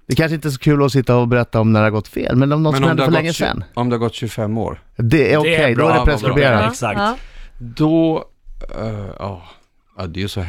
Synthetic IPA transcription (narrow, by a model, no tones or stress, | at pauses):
d̪ɛkʰanʂəɪnt̪əɛs̬ɔkʰʉ̟ːlɔsɪt̪ːaɔbɛɾɛt̪ːaɔmnæɖɛhaɾɡɔt̪ːfḛːlmɛnɔmnɔt̪smhɛnfœɭɭɛŋːəsɛ̰nːɔmd̪ɛhaɾɡɔt̪ːɕʉfɛmːo̰ːɾd̪ɛæɾɔkʰɛjd̪ɔæɖɛpɾɛskɾbeːɾasa | d̪ɔ | ɑː | ɑd̪ɛjəsɔ